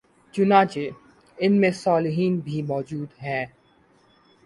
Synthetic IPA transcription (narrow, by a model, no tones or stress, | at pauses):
t͡ʃʊnãːt͡ʃe | ɪnmẽsaːlɪɦiːnbʱimɔːd͡ʒuːd̪ɦɛ̃ː